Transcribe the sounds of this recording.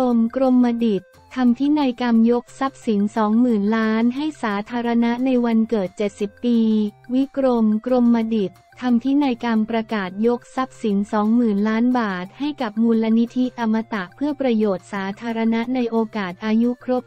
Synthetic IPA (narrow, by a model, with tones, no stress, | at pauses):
o˧mkɾo˧mːa˧di˨˩t̪ʰːa˧mt̪ʰiː˦˥naː˧jka˧mjo˦˥k̚sa˦˥p̚si˩˦nsɔː˩˦ŋmɯː˨˩nlaː˦˥nɦa˥˩jsaː˩˦t̪ʰaː˧ɾa˧na˦˥ʔna˧jwa˧nkɤː˨˩t̪̚t͡ɕe˨˩t̪̚si˨˩pːiː˧wi˦˥kɾo˧mkɾo˧mːa˧di˨˩t̪ʰːa˧mt̪ʰi˦˥˩naː˧jka˧mpɾa˧kaː˨˩t̪̚jo˦˥k̚sa˦˥p̚si˩˦nsɔː˩˦ŋmɯː˨˩nlaː˦˥nbaː˨˩t̪̚ha˥˩jka˨˩p̚muː˧lːa˧ni˦˥t̪ʰi˦˥t̪a˧mːa˧t̪a˨˩ʔpʰɯ˥˩ɐpɾa˧joː˨˩t̪̚saː˩˦t̪ʰaː˧ɾa˧na˦˥ʔna˧jʔoː˧kaː˨˩t̪̚ʔaː˧ju˦˥kʰɾo˦˥p̚